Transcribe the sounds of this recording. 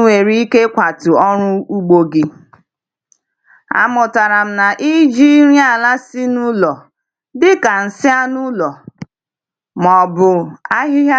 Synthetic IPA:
we˨ɾi˦i˦ke˦kʷa˨tʊ˨ɔ˦ɾʊ˦u˦ɡ͡bo˦ɡɪ˦ | a̰˨mʊ˨ta˨ɾa˨m̩˦na˨ʔi˦d͡ʒi˦ɾi˦a˨la˦sɪ˦nu˦lɔ˨ | dɪ˦ka˨n̩˨sɪ˦a˦nu˦lɔ˨ | mɔ˨bʊ˨a˦ɦɪ˦ɦa˦

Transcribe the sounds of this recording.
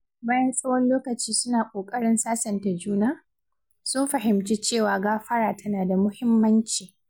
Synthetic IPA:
baː˦jɐ˦nsʼɐ˦wɐ˦nloː˦kɐ˨t͡ʃiː˦sʊ˦naː˨kʷʼoː˨kʼɐ˦ɽɪ˦nsaː˦sɐ˨nta˨d͡ʒuː˦naː˦˨ | sʊ˦mɸɐ˨ɦɪ˨mt͡ʃe˦t͡ʃeː˦˨waː˨ɡaː˦ɸɐ˦ɽaː˨tʰɐ˦naː˨da˨mʊ˦hɪ˦mːɐ˦nt͡ʃiː˨

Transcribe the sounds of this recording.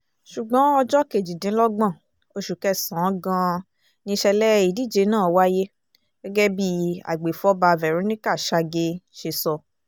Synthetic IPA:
ʃu˨ɡ͡bɔ̃˨˦ɔ˧d͡ʒɔ˦ke˨d͡ʒi˨dĩ˨˦lɔ˦ɡ͡bã˦˨ | o˧ʃu˨kɛ˦˨sã˨˦ɡã˧ | nĩ˧ʃɛ˧lɛ˦i˦˨di˦˨d͡ʒe˨˧˦nãː˦˨˦wa˦je˦ | ɡ̥ɛ˦ɡɛ˦bi˦a̰˨ɡ͡be˨fɔ˦ba˧vɛ˨ɾũ˨˦nĩ˦ka˦˨ʃa˧ɡe˧ʃe˧sɔ˧

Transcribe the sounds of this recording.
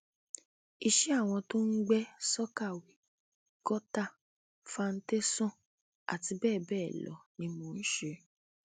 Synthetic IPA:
i˦˨ʃe˦a˦˨w̃ɔ̃˧to˦n̩˦ɡ͡bɛ˦sɔ˦ka˦˨wi˨ | kɔ˦ta˦ | fa˧n̩˦te˦sɔ̃˦ | a̰˨ti˧bɛː˦˨bɛː˦˨lɔ̰˨˦nĩ˧mõ˨n̩˦ʃe˧

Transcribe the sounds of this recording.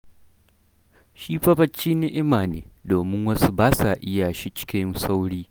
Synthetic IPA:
ʃiː˦ɸɐ˦bɐ˦t͡ʃːiː˦nɪ˦ʔɪ˦maː˨nḛː˨doː˨mɪ˦ŋwɐ˦su˦baː˦sa˨ʔɪ˦ja˨ʃi˦t͡ʃɪ̥˦kʲɪ˦nsa˦wɽiː˦

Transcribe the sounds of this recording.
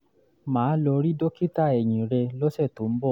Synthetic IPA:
mãː˨˦lɔ˧ɾi˦do˦ki˦ta˦˨ɛ˨j̃ĩ˨ɾe˧lɔ˦ʃɛ˦˨to˨˦m̩˦bɔ˦˨

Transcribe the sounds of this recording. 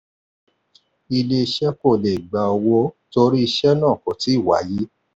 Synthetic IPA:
i˧le˦˧i˧ʃɛ˦ko˦˨le˨ɡ͡ba˨ɔ˧wɔ˧˦to˧ɾi˦i˧ʃɛ˦nãː˦˨kɔ̃˨ti˨˦i˦˨wa̰˨˦ji˦

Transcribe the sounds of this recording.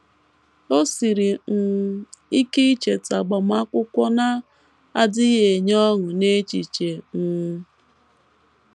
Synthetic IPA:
o˦si˨ɾi˨ŋ̩˨i˦ke˦i˦t͡ʃe˨ta˨ɡ͡bɔ˨m˦a˦kʷʊ˦kʷɔ˦na˦ | a˦dɪ˦je˨ɲɔ˦ŋʊ˨ne˦t͡ʃi˨t͡ʃe˨ŋ̩˨˦

